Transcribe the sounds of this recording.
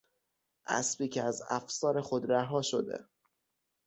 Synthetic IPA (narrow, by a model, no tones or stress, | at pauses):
ʔæ̰sbiːcʰeæzæfsɒːɾe̞xod̪ɾæɦɒːʃod̪e̞̰